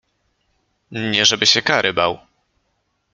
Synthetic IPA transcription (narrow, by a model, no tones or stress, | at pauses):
ɲɛʐɛbɘɕɛkaɾɘbaw